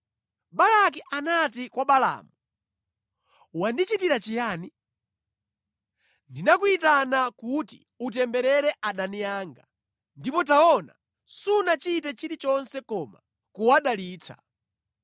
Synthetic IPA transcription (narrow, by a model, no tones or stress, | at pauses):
ɓalakiʔanat̬ikwaɓala̰ːmu | wandit͡ʃitiɾat͡ʃijaːni | ndinakuitanakutḭ | utɛmbɛɾɛɾɛʔaɗanijaːŋɡa | ndipɔtaɔna̰ | sunat͡ʃitɛt͡ʃiɾit͡ʃɔnsɛkɔma̰ | kuwaɗaliːt͡sʰa̰